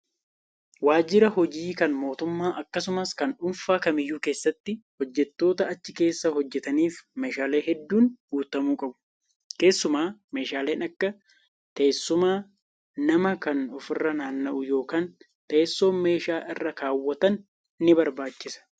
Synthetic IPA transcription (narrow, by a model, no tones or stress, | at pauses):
waːd͡ʒɪɾɐhɔd͡ʒiːkɐnmo̞ːt̪ʊmːaːʔɐkːɐsʊmɐskɐnᶑʊnfaːkɐmɪjːuːke̞ːsːɐt̪ːɪhɔd͡ʒːɛt̪ːo̞ːt̪ɐɐt͡ʃːɪke̞ːsːɐhɔd͡ʒːɛt̪ɐniːfme̞ːʃaːle̞ːɦɛd̪ːuːnɡuːt̪ɐmuːkʼɐbʊ̥ | ke̞ːsːʊmaːme̞ːʃaːle̞ːnɐkːɐ | t̪ɐːsːʊmaː | nɐmɐkɐnʊfɪrːɐnaːnːɐʔʊjo̞ːkaːn | t̪eːsːo̞ːnme̞ːʃaːʔɪrːɐkaːwːɐt̪ɐnː | ɪbɐɾbaːt͡ʃːɪsɐ̥